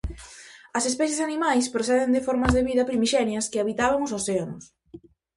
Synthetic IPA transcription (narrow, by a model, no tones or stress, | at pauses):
ɐsespɛθesanimajspɾoθɛðend̪ɪfɔɾmɐzðeβiðɐpɾimiʃɛnjɐskɪaβit̪aβɐŋʊsoseanʊs